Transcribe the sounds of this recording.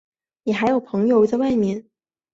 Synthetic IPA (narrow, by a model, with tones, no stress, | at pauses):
nɛ˨˩xa˧˥ɪjo˨˩ʊpʰɤ˧˥ŋjo˧ʊ˧˩t͡sa˥˧wa˥˩ɪmɛ˧˥n